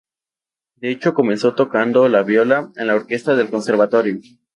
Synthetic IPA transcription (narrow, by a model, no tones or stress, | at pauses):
d̪e̞et͡ʃo̞ko̞me̞nso̞t̪o̞kand̪o̞laβjo̞lae̞nlaoɾke̞st̪aðe̞lko̞nse̞ɾβat̪o̞ɾjo